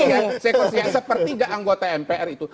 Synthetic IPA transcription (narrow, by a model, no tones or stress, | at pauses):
jasekosiasəpərt̪iɡaʔaŋɡot̪aɛmpeʔɛrit̪u